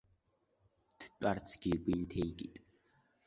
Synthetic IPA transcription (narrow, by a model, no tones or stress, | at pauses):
t̪ʰtʼart͡sʰɡiɡʷint̪ʰɛjɡit̪ʼ